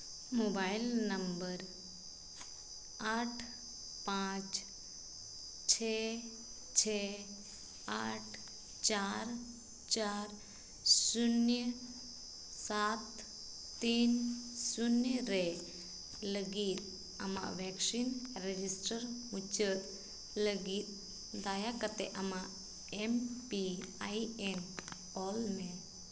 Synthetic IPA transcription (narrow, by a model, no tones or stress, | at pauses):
mobajilnəmbəɾ | aʈʰ | pãt͡ʃ | t͡ɕʰe | t͡ɕʰe | aʈʰ | t͡ɕaɾ | t͡ʃaɾ | sunjə | sat̪ː | insunjəɾɛ | ləɡit̪̚ | ə̰ma̰ʔʋɛksinɾed͡ʒisʈəɾmut͡ʃət̪̚ | ləɡit̪̚ | d̪ajakət̪ɛʔəmaʔ | ɛmpiajɛm | ɔlme